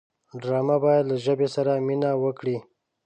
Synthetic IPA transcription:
ɖɾɑmabɑjad̪laʒəbesaɾaminawəkɽi

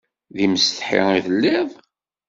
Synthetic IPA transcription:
ðiməst̪ə̥ħḭiðəlːiðˤ

